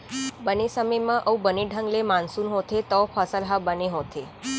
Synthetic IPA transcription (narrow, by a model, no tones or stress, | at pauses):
bənesəməjmãʔəũbəneɖʱəŋɡlemãnsunɦot̪ʰet̪ɔpʰəsəlɦabəneɦot̪ʰe